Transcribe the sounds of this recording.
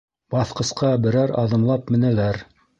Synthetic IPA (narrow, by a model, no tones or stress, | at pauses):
bɑθqɤ̆sqʰɑbɘ̆ɾæɾɑ̰ðɤ̆mlˠɑpmɘ̆nælæɾ